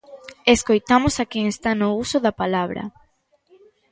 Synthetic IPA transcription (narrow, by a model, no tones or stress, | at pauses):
eskojt̪amosakeŋest̪anousoðɐpalaβɾɐ̰